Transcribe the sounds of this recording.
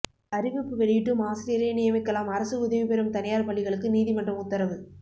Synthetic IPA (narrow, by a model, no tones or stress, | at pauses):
ɐɾɪʋɪpːɯʋɛɽɪjɪʈːɯmaːsɪɾɪjɐɾeːnɪjɐmɪkːɐlaːmɐɾɐsɯʊðɐʋipɛɾɯmt̪ɐnɐjaːɾpɐɭːɪɣɐɭɯkːɯniːðimɐɳɖrɐɯmʊt̪ːɐɾɐʋɯ